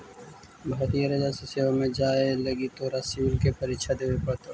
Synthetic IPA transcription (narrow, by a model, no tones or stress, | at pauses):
bʱaːɾijaɾɐd͡ʒaseseːʋamẽd͡ʒaːelɐɡit̪oːɾasiulkepɐɾiːkʃʰad̪eːʋepɐɽt̪oː